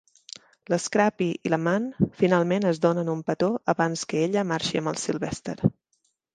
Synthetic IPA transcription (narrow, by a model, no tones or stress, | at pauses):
ləskɾapiiləmanfinalˠmenəzðonənumpət̪oʔəβanskəeʎəmaɾʃiəmbə̰lˠsilˠβɛst̪ḛɾ